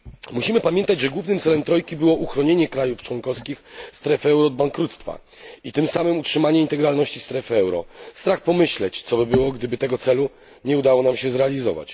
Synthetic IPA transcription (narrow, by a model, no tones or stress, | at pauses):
muɕimɘpamʲjɛnt̪ad͡ʑʐɛɡwuvnɘmt̪sɛlɛmt̪ɾɔjkʲibɘwɔʔuxɾɔɲeɲɛkɾajuft͡ʂwɔŋkɔfskʲixst̪ɾɛfɛwɾɔːd̪̚baŋkɾut̪st̪fa̰ | it̪ɘmsamɘmutʂɘmaɲɛint̪ɛɡɾalnɔɕt͡ɕist̪ɾɛfɛwɾɔ̰st̪ɾaxpɔmɘɕlɛt͡ɕt̪sɔbɘbɘwɔɡd̪ɘbɘt̪ɛɡɔt̪sɛlu | ɲɛud̪awɔnamɕɛzɾɛalʲizɔva̰t͡ɕ